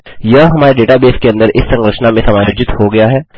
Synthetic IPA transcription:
jɐɦɦɐmaːɾeɖeːʈabeːskeɐ̃nd̪əɾʔɪsːɐ̃ŋɡɾɪʃnamẽsɐmaːjoːd͡ʒɪt̪hoɡɐjaɦɛː

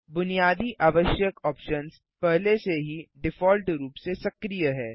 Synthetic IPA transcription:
bʊnijaːd̪iʔaːʋəʃjəkɔːpʃəns | pɛɦleseɦiɖɪfɔːlʈɾuːpsesɐkɾijəɦɛː

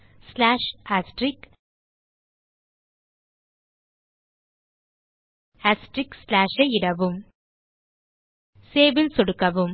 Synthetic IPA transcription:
slaːʂaːsʈɾɪk | asʈɾɪkslaːʂɐɪɪɽɐʋɯm | seːbɪlsɔɽɯkːɐʋɯm

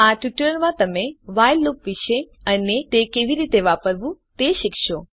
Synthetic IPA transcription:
aʈuʈəɾmãt̪əmeʋajlːopʋiʃeənet̪ekeʋiɾit̪eʋapəɾʋũt̪eʃɪkʃo

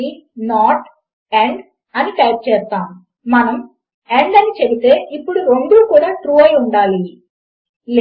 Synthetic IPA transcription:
inaːʈ | eɳɖ | ɐniʈɐːp̚t͡ʃeːst̪ːaːmː | ɐnɐm | eɳɖɐnit͡ʃebit̪e̞ːʔipːuɽuɾoɳɖuːkuːɽaːʈɾuːɐjuɳɖaːli | l

